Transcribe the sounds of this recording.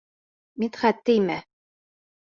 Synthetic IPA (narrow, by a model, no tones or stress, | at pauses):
mit̪χæt̪ːɘjmæ